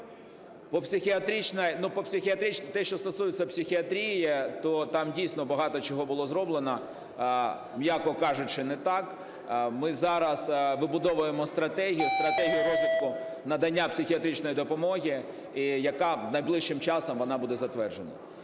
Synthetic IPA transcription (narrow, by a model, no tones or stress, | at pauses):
pɔpsʲɪxʲiɐt̪ɾʲit͡ʃnɐjnupɔpsʲɪxʲiɐt̪ɾit͡ʃ̪t̪ɛʃt͡ʃɔst̪ɔsujɪt͡sʲːɐpsʲɪxʲiɐt̪ɾʲijɛt̪ɔt̪ɑmdʲijsʲnɔbɐɦɑt̪ɔt͡ʃɔɦɔbʊlˠɔzɾɔblˠenɐ | mjakɔkɑʒʊt͡ʃɪnɛt̪ɑk | mɪzɑɾɐsʋɪbʊd̪ɔʋʊjemɔst̪ɾɐt̪ɛɦʲijʊst̪ɾɐt̪ɛɦʲijʊɾɔzʲʋʲit̪̚kʊnɐd̪ɐnʲːapsʲɪxʲiɐt̪ɾʲit͡ʃnɔjid̪ɔpɔmɔɦʲɪ | ijɐkɑnɐjblˠɪʃt͡ʃːɪmt͡ʃɑsɔmʋɔnɑbud̪ɛzɐt̪ʋɛrʒenɐ̰